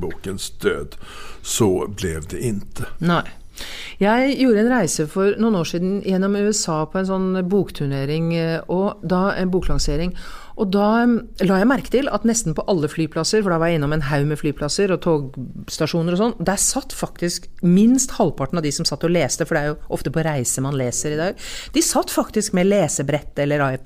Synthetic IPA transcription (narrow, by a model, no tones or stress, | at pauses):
buːkənsd̪̥øːd̪sɔblɛʋd̪ɛʔɪnt̪ʰənæɪ | jæɪjuːɾəɛnɾæɪsəfɔɾnuːnoːʂiːd̪n̩jɛnːɔmʉːɛsɑːpʰɔɛnsɔnːbuːkt̪ʰʉɳeːɾɪŋʔɔd̪ɑɛnbuːklɑŋseːɾɪŋʔɔd̪ɑ | lɑːjæɪmæɾkə̥t̪ɪlɑ̰t̪nɛst̪n̩pɔʔɑlːəflyːpʰlɑsəɾfɔɖɛʋɑɾjæɪnːɔmɛnɦaʉmɛflyːpʰlɑsəɾɔt̪ʰoːɡst̪ɑʂuːnəɾɔsɔnːd̪æɾsɑt̪ːfɑk̚t̪ɪskmɪnst̪hɑlpʰɑʈɳ̩ɑʋd̪ɪsɔmsɑt̪ːɔleːst̪əfɔɖɛæɾjʊʔɔft̪əpʰɔɾæɪsəmɑnleːsəɾɪd̪ɑːɡd̪̥ɪsɑt̪ːfɑkt̪ɪskmɛleːsəbɾɛt̪ːɛlːəɾɑɪp